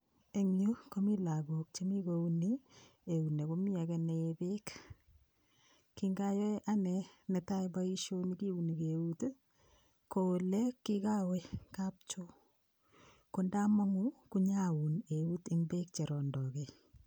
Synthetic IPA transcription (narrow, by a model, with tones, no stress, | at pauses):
e˨ŋju˦ko˦mi˦la˨bo˨k̚t͡ʃe˦mi˦kouni | e˨u˨ne˨ko˦mi˦a˨kɛ˨nebe˦k | kːiŋɡa˦jɔ˦ʔanɛ˨ne˨ta˦jba˦i˦ʃo˦ni˦ki˦u˨ni˨keut | ko˨lɛ˦kːi˦ka˦we˦ka˦p̚t͡ʃo˦ | konda˦ma˦ŋu˦kuɲa˦u˨ne˨u˦tɪmbe˦k̚t͡ʃe˨ɾɔ˨ndɔ˨ke˨